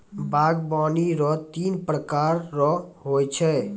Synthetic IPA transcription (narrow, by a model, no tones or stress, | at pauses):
baːɡbaːniɾɔt̪iːnpɾəkaːɾːɔɦoːjt͡ʃʰɛ